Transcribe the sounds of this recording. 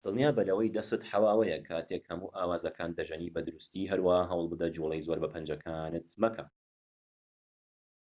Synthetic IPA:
d̪̥ɨlˠnjaːbɐlɐwɐjd̪ɐsɨt̪ħawaːwɐjɐkʰaːt̪ʰekhɐmuːʔaːwaːzɐkʰaːnd̪ɐʒɐniːbɐd̪ɨɾust̪iːɦɐɾwaːhaɦɐwlˠbɨd̪ɐd͡ʒulˠejzoːɾbɐpʰɐnd͡ʒɐkʰaːnɨt̪mɐkʰɐ

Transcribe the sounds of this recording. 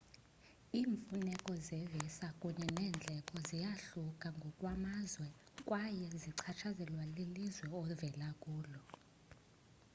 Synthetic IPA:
iːɱfunɛkʼɔzɛvɛsakʼuɲɛnɛːnd͡ɮʱɛkʼɔzijaɬukʼaŋɡʱɔkʼwamazwɛ | kʼwajɛziǀʰat͡ʃʰazɛlwalilizwɛɔvɛlakʼuːlɔ

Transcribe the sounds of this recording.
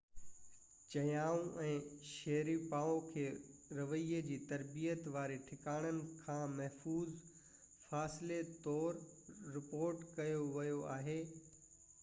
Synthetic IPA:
t͡ɕɐjaːũʔɛ̃ːʃɛɦɾipaːõkʰeːɾɐʋəied͡ʑiːt̪ɐɾbijət̪ʋaːɾeʈʰɪkaːɽ̃ənɪ̆kʰãːmɐɦfuːz | faːsɪlet̪ɔːɾːɪpoːɾʈkɐjoʋɐjoa̰ːɦeː

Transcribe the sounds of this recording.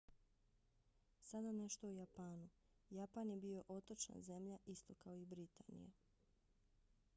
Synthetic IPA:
sad̪ane̞ʃt̪oujapaːnu | japanjebio̞ʔo̞t̪o̞t͡ʃa̰nze̞mʎaʔist̪o̞kaoibɾit̪aːnḭja̰

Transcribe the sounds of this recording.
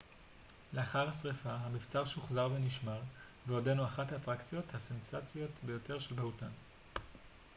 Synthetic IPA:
le̞aχaʁhasʁefaɦamift͡saʁʃuχzaʁveniʃmaʁ | veodenuaχathaːtʁakt͡sjo̞thase̞nsat͡sjo̞tbe̞jo̞te̞ʁʃe̞lbahutan

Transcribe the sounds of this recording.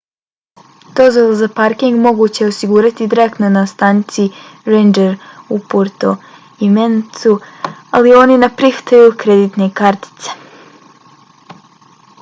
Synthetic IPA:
t̪o̞zolzapaɾkiŋɡmo̞ɡuːt͡ɕe̞osiɡuːɾat̪id̪iɾe̞k̚t̪no̞nast̪aːnit̪siɾejnd͡ʒeɾupoɾt̪o | iment̪sualio̞ninapɾixt̪ajukɾe̞d̪it̪ne̞kaɾt̪i̥t̪se̥

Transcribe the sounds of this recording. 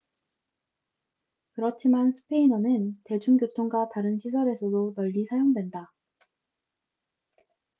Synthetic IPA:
kɯɾʌt͡ɕʰimansʰɯ̥pʰe̞inʌnɯnte̞d͡ʑuŋɡjotʰoŋɡwataɾɯnɕʰis̬ʰʌɾe̞sʰʌdonʌʎːisʰajoŋdwenda

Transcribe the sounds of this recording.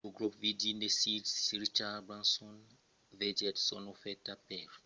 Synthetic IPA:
oɡɹɔpvidindesitsɹit͡ʃabɹãnsɔ̃n | vɛdɛdsɔ̰nɔfɛtapɛɹ

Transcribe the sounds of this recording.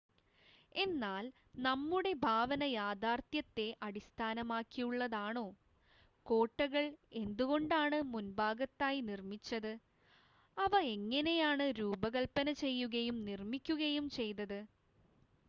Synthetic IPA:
e̞nːaːl | nɐmːuɽe̞bʱaːʋɐnɐjaːd̪aːrt̪jɐt̪ːe̞ʔɐɽist̪ʰaːnɐmaːkːijuɭːɐðaːɳo̞ː | ko̞ːʈːɐɣɐɭe̞nd̪uɣo̞ɳɖaːɳɨmunbaːɡɐt̪ːaːjinirmit͡ɕːɐðɨ | ɐʋɐe̞ŋːɐne̞jaːɳɨɾuːbɐɣɐɭpɐnɐt͡ɕe̞jːuɣɐjumnirmikʲːuɣɐjumt͡ɕe̞jt̪ɐðɨ

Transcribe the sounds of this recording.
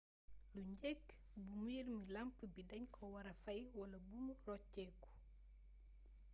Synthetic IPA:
luɲɟɛkː | bumirmilɐmpəbidɐɲkʰɔwɐɾɐfɐjwɐlɐbumurɔcːɛːku̥

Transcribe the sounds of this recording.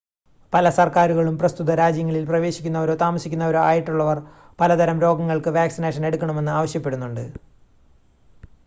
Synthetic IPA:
pɐlɐsɐrkaːɾuɣɐɭumprɐst̪uðɐɾaːd͡ʑjɐŋːɐɭilprɐʋe̞ːɕikʲːunːɐoɾot̪aːmɐsikʲːunːɐoɾuaːjiʈːuɭːɐʋɐr | pɐlɐd̪ʱɐɾɐmɾo̞ːɡɐŋːɐɭkɨʋaːksineːʂɐne̞ɽukːɐɳɐme̞nːɨaːʋɐɕjɐpːe̞ɽunːuɳɖɨ

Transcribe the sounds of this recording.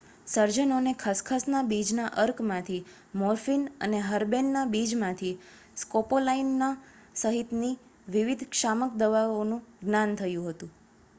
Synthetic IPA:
səɾd͡ʒənonekʰəskʰəsnabid͡ʒnaʔəɾkmãt̪ʰi | mɔɾfinə̰neɦəɾbenːabid͡ʒmãt̪ʰi | skopolainːa | səɦit̪ni | ʋiʋid̪ʱkʃamək̚d̪əʋaonũɡnant̪ʰəjũɦət̪ũ

